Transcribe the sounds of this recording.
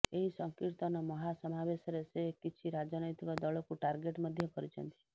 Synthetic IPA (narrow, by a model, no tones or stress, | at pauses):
eɦisɔŋkiɾt̪ɔnɔmɔɦasɔmabeʃɔɾesekit͡ʃʰiɾad͡ʒɔnɔjt̪ikɔd̪ɔɭɔkuʈaɾɡeʈmɔd̪ʱjɔkɔɾit͡ʃʰɔ̰nt̪i̥